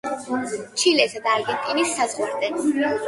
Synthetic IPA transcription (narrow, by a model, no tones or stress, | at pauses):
t͡ʃʰilɛsad̪aːɾɡɛnt̪ʼinisːazʁwaɾd̪ɛ